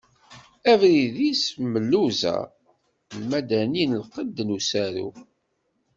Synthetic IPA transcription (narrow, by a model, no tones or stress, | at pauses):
ævɾiðisməlːuzæ̰ | lmæd̪æninlqəd̪nusæɾṵ